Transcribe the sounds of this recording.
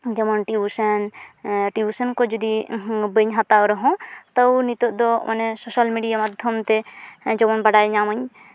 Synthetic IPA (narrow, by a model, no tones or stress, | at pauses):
d͡ʒɔmɔnʈiusənʈiusənkɔd͡ʒɔd̪ibəɲɦat̪awɾɔɦɔ̃t̪ɔwnit̪ɔʔd̪ɔmʔa̰nɛsosalmiɖijamad̪ʱjɔmt̪ɛd͡ʒɔmɔnbaɽajɲaməɲ